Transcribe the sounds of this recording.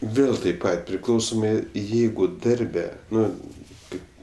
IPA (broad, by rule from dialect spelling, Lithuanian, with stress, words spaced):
ˈʋʲeːlˠ tɐɪp ˈpɐt pʲrʲɪˈklˠɐʊsoːmɐɪ ˈjɛɪɡʊ ˈdɐrʲbʲɛ ˈnʊ ˈkɐɪp